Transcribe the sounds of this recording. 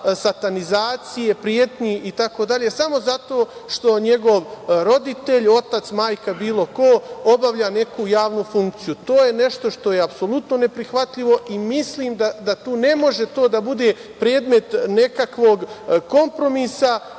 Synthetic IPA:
sat̪anizaːt̪sije̞pɾijeːt̪ɲiʔit̪akoːd̪aʎe̞samo̞zat̪o̞ːʃt̪o̞ɲe̞ɡo̞ʋɾo̞d̪it̪e̞ʎo̞t̪at̪smaːjkabiːlˠo̞ko̞o̞baʋʎaːne̞kujaːʋnufuŋkt̪sijut̪o̞ːje̞ne̞ʃt̪o̞ʃt̪o̞jeapso̞lˠut̪no̞ne̞pɾixʋat̪ʎiʋo̞ʔimisliːmd̪ad̪at̪uːne̞mo̞ʒe̞t̪o̞ːd̪abud̪e̞ː | pɾeːd̪me̞t̪ne̞kakʋoːɡko̞mpɾo̞misa

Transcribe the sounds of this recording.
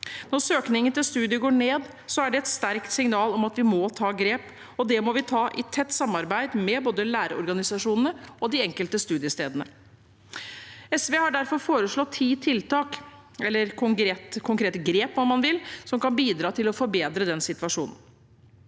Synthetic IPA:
nɔɾsøːknɪŋənt̪ɪlst̪ʉːd̪ɪəɡoːɳeːd̪ | sɔæɖɛɛt̪st̪æɾkt̪sɪŋnɑːlɔmɑt̪ʋɪmɔt̪ʰɑːɡɾeːp | ɔd̪ɛmɔʋɪt̪ʰɑːʔɪt̪ʰɛt̪ːsɑmːɑɾbæɪd̪mɛboːd̪əlæːɾəɔ̰ɾɡɑnɪsɑʂuːnənəɔd̪ɪɛŋkəlt̪əst̪ʉːd̪ɪəst̪eːd̪ənə | ɛsʋeːhɑɖæɾfɔɾfoːɾəʂɭɔt̪ʰːiːt̪ʰɪlt̪ɑːk | ɛlːəɾkʰɔŋɾeːt̪kʰʊŋkɾeːt̪əɡɾeːpɔmːɑnʋɪlsɔmkɑnbiːd̪ɾɑːt̪ʰɪlɔfɔɾbeːd̪ɾəd̪ɛnsɪt̪ʋɑʂuːnən̩

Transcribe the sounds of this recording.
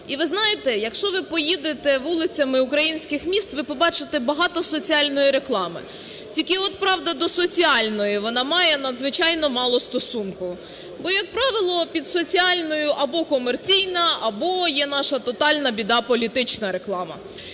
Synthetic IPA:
iʋɪznɑjɪt̪ɛjɐkʃt͡ʃɔʋɪpɔjid̪et̪ɛʋulˠɪt͡sʲɐmɪukɾɐjinʲsʲkɪxmʲist̪ʋɪpɔbɑt͡ʃɪt̪ɛbɐɦɑt̪ɔsɔt͡sʲiɑlʲnɔjiɾe̞klˠɑmɪ̰ | tʲikɪɔt̪pɾɑʋd̪ɐd̪ɔsɔt͡sʲiɑlʲnɔjiʋɔnɑmɑjɛnɐd̪zʋɪt͡ʃɑjnɔmɑlˠɔst̪ɔsunkʊ | bɔjɐk̚pɾɑʋɪlˠɔpʲid̪sɔt͡sʲiɑlʲnɔjʊʔɐbɔkɔmert͡sʲijnɐɐbɔjɛnɑʃɐt̪ɔt̪ɑlʲnɐbʲid̪ɑpɔlʲit̪ɪt͡ʃnɐɾeklˠɑmɐ̰

